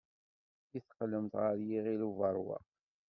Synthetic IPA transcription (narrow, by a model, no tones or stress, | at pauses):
iθqlːəmt̪ʁəɾjiʁiluvɑɾˤwɑ̰